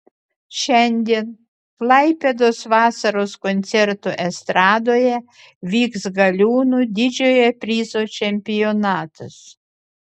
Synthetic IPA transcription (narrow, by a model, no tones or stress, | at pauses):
ʃʲɛnʲd̪ʲiɛn | klˠɐɪpʲed̪oːsʋɑːsɐɾoːskonʲt̪sʲɛɾt̪uʔɛst̪ɾɑːd̪oːjɛ | ʋʲiːksɡɐlʲuːnud̪ʲɪd͡ʒʲoːjɛpʲɾʲiːzoːt͡ʃʲɛmʲpʲɪjonɑːt̪ɐs